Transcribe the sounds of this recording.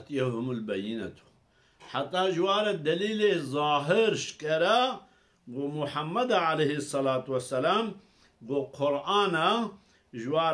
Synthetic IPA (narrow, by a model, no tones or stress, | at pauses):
t̪ijeɦumulbɐjinɐ̰t̪ʰu̥ | ħat̪ːaːʒwaːɾɐd̪ɐliːleːzaːɦɪɾʃkɐɾɐ | ɡomʊħamːɐd̪aʕalehisˤːɐlaːt̪wɐsːɐlaːm | ɡoqʰʊɾaːna | ʒwaː